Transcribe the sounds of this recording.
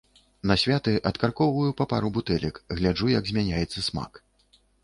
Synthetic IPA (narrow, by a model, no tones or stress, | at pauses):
nɐsʲvʲat̪ɨʔɐt̪karkɔwvɐjupapaɾubut̪ɛlʲɐkɣlʲaʐujɐɡzʲmʲanʲajɛt̪sːɐsma̰k